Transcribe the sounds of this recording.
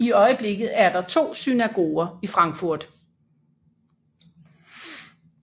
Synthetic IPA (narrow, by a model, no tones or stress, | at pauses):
iɒ̽ɪəb̥le̝ɡ̥ð̩ˠæɐd̥ɑ̈t͡sʰo̝̰ːsynæɡ̥o̝̰ːɐifʁɑ̈ŋɡ̥fuɐ̰d̥